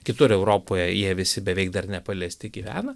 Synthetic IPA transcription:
kʲɪt̪ʊɾɛʊɾoːpoːjɛjiɛʋʲɪsʲɪbʲɛʋʲɛɪkd̪ɐrnʲɛpɐlʲɛsʲt̪ʲɪɡʲiːʋʲæːnɐ

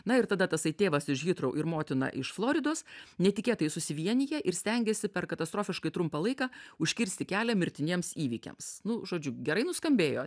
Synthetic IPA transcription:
nɐɪɾt̪ɐd̪ɐt̪ɐsɐɪt̪ʲeːʋɐsɪʃɣʲɪt̪ɾɐʊʔɪɾmoːt̪ʲɪnɐ̰ʔɪʃflˠoːɾʲɪd̪oːsnʲɛt̪ʲɪkʲeːt̪ɐjɪsʊsʲɪʋʲiɛnʲɪjɛʔɪɾsʲt̪ʲɛŋʲɡʲeːsʲɪpʲɛɾkɐt̪ɐst̪ɾoːfʲɪʃkɐɪt̪ɾʊmpɐlˠɐɪkɑːʊʃʲkʲɪɾʲsʲt̪ʲɪkʲæːlʲɛmʲɪɾʲt̪ʲɪnʲiɛmsiːʋʲiːkʲḛmsnʊʒoːd͡ʒʲʊɡʲɛɾɐɪnʊskɐmʲbʲeːjoː

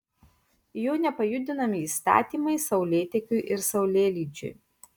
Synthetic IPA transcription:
juːnʲɛpɐjʊd̪ʲɪnɐmʲɪiːst̪ɑ̰ːt̪ʲiːmɐɪsɒʊlʲeːt̪ʲɛkʲʊɪʔɪɾsɐʊlʲeːlʲiːd͡ʒʲʊ̰j

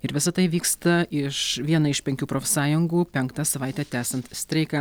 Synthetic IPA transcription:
ɪɾʋʲɪsɐt̪ɐɪʋʲiːkst̪ɐɪʃʋʲiɛnɐɪʃpʲɛŋʲkʲuːpɾoːfʲɛsɑːjʊŋɡuːpʲɛŋkt̪ɑsɐʋɐɪt̪ʲæːt̪ʲæːsʲɐnt̪sʲt̪ʲɾʲɛɪkɐ

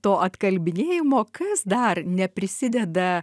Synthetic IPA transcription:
t̪oːʔɐt̪kɐlʲbʲɪnʲeːjɪmoːkɐsd̪ɐrnʲɛpʲɾʲɪsʲɪd̪ʲɛd̪ɐ

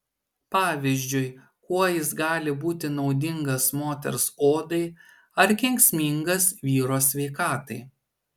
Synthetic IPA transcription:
pɑːʋʲɪzʲd͡ʒʲʊɪ | kuɔjɪsɡɑːlʲɪbuːt̪ʲɪnɒʊd̪ʲɪŋɡɐsmoːt̪ʲɛ̰ɾsoːd̪ɐɪ | ɐɾkʲɛŋʲksʲmʲɪŋɡɐsʋʲiːɾoːsʲʋʲɛɪkɑːt̪ɐɪ

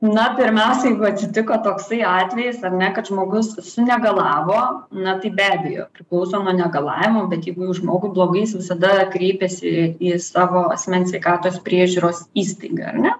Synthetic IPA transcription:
nɐpʲɪɾʲmʲɛʊsʲɛjɛɪɡʊɐt̪ʲsʲɪt̪ʲɪkoːt̪oːksɐɪɑːt̪ʲʋʲɛjɪsɐrnʲɛkɐt̪ʒmoːɡʊssʊnʲɛɡɐlˠɑːʋoːnɐt̪ɐɪbʲæːbʲɛjo̰ːpʲɾʲɪklˠɐʊsoːnuɔnʲɛɡɐlˠɑːʋʲɪmoːbʲɛt̪jɛɪɡʊjuːʒmoːɡʊblˠoːɡɐɪsʋʲɪsɐd̪ɐkɾʲeːpʲeːsʲɪisɑːʋoːɐ̰sʲmʲɛnsʲʋʲɛɪkɑːt̪oːspʲɾʲiɛʒʲuːɾoːsiːst̪ɐɪɡɐ̰ɐ̰rnʲɛ

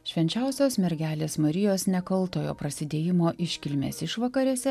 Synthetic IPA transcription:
ʃʲʋʲɛnʲt͡ʃʲɛʊsʲoːsmʲɛɾʲɡʲæːlʲeːsmɐɾʲɪjoːsnʲɛkɐlˠt̪oːjo̰ːpɾɐsʲɪd̪ʲeːjɪmoːʔɪʃʲkʲɪlʲmʲḛːsɪʃʋɐkɐɾʲɛsʲɛ

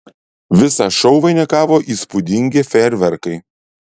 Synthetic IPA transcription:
ʋʲɪsɑʃɒʊʋɐɪnʲɛkɑːʋoːʔiːspʊd̪ʲɪŋʲɡʲɪfʲɛɾʲʋʲɛɾkɐɪ

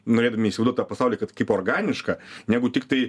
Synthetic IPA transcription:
noːɾʲeːd̪ɐmʲɪiʃsʲɪzd̪uɔt̪ʲaːpɐsɑʊlʲijɛkɐt̪kɐɪporɡɑːnʲɪʃkɐnʲæːɡʊt̪ʲɪkt̪ɐɪ

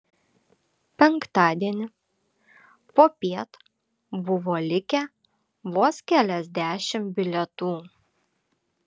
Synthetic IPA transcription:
pʲɛŋkt̪ɑːd̪ʲiɛnʲɪ | poːpʲiɛt̪ | bʊʋoːlʲɪkʲɛ | ʋoːskʲælʲɛzʲd̪ʲæːʃʲɪmbʲɪlʲɛt̪uː

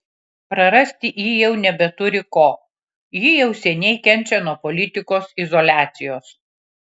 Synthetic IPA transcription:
pɾɐɾɐsʲt̪ʲɪʔjiːjɛʊnʲɛbʲɛt̪ʊɾʲɪkoː | jijɛʊsʲɛnʲɛɪkʲɛnʲt͡ʃʲɛnuɔpɔlʲɪt̪ʲɪkoːsɪzɔlʲæːt̪sʲɪjoːs

